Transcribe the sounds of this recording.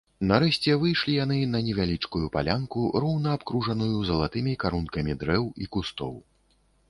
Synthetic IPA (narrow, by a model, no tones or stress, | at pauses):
nɐɾɛɕʲt͡sʲɛvɨjʂlʲijan̪ɨnɐnʲɛvʲalʲit͡ʂkujupalʲankurɔwnɐːpkɾuʐɐnujuzɐlˠat̪ɨmʲikaɾunkɐmʲid̪ɾɛwikust̪ɔ̰w